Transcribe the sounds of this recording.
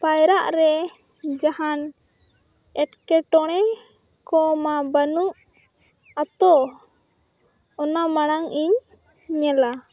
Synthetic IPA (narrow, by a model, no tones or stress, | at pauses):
pajɾaʔɾɛ | d͡ʒahan | ɛʈkɛʈɔɽ̃ɛkɔmabanuʔ | at̪ɔ | ɔnamaɽ̃aŋiɲ | ɲɛla